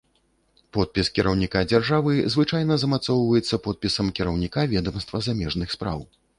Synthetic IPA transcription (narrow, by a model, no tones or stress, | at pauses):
pɔt̪̚pʲiskʲiɾɐwnʲikad͡zʲarʐavɨzvɨt͡ʂajnɐzɐmat̪sɔwvɐjɛt̪sːɐpɔt̪̚pʲisɐmkʲiɾɐwnʲikavʲɛd̪ɐmst̪vɐzamʲɛʐnɨxspɾa̰w